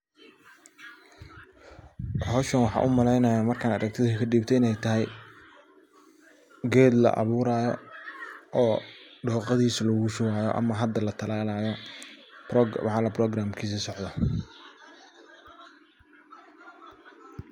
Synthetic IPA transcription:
hɔːʃɐnwɑħɑ̰ːʔʊmɐlɛjnajaːmɐrkʰaːnɐ̰ɾɐk̚t̪ʰɪðʊkʰɐɖiːbt̪ʰɛɪnɛjt̪ʰɐɦɛj | ɡɛːd̪lɐ̰ʔɑ̰βuːɾaːjɔ | ʔɔːɖɔːqɑðiːslɐɣʊʃʊwaːjɔ̰ʔɐ̰mɐɦɐd̪ːɐlɐt̪ʰɐlaːlaːjɔ | wħɑːlɐbrɔːɡɾaːmkʰiːs̬ɐsɔʕd̪ɐ

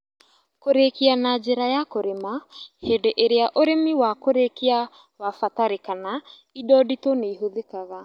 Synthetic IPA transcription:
koɾekianad͡ʒeɾajakoɾemahedeʔeɾeaʔoɾemiwakoɾekia | wafataɾekana | idɔditoneiɦoðekaɣa

